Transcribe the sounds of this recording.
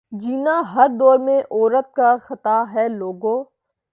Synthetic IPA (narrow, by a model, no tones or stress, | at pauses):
d͡ʒiːnaɦɐɾd̪ɔːɾmẽʔɔːɾət̪̚kaxɐt̪aɦɛːloːɡõː